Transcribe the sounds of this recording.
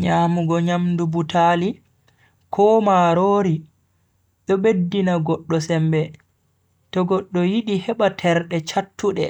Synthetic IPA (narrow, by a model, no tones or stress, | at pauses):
ɲaːmuɡɔɲamdubutali | kʰɔːmaɾoːɾi | ɗɔɓedːinaɡɔɗːɔsɛmbɛ | tɔɡɔɗːɔjiɗihɛɓatʰɛɾɗɛt͡ʃatːuɗɛ̰